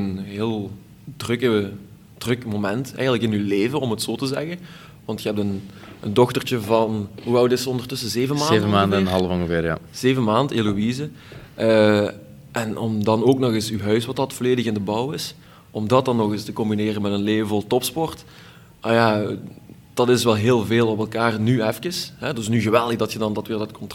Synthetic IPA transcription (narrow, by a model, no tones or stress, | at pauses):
ənɦeːlˠ | drɵkə | d̥rɵkmomɛntɛ̰jɣəntləkɪnyleːvənɔmɦətsoːtəzɛ̰ɣən | ʋɑntxəɦɛp̚tənəndɔxtərt͡ʃəvɑnɦuʋɛlˠdɪtsəɔndərtɵsəzeːvəmaːvəmaːndnɦɑlˠəvɔŋəvɪːɾja̰z̥eːvənmaːndelowizəʔə | ʔɛnɔmdɑnoːknɔɣɪsyɦœɥswɑtdɑtforleːdəɣɪndəbɔwɪs | ɔmdɑt̚dɑnːɔɣɪstəkɔmbineːrənmɛtənleːvəvɔlˠtɔpspɔrt | naja | d̥ɑtɪsʋɛlˠɦeːlˠveːlˠɔpɛlˠkaːrnyɛfkəsɦɛdɪsnyɣəʋɛlˠdəɣdɑtxədɑndɑtʋɪːrdɑtkɔnt